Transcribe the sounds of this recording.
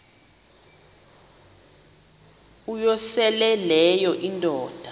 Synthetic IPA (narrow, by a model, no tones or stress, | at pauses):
ujɔsɛlɛlɛjɔʔindʼɔːd̥ʱa